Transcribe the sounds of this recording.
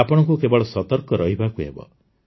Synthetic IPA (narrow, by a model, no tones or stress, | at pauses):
apɔɽ̃ɔŋkukebɔɭɔsɔt̪ɔɾkɔɾɔɦibakuɦḛbɔ̰